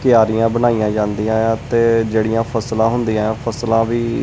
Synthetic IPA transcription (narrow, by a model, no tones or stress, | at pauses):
kɪjaːɾijãːbənaːijãːd͡ʒãːnd̪iːãːt̪eːd͡ʒeːɽijãːpʰəslãːɦʊnd̪iːãːpʰəslãːʋiː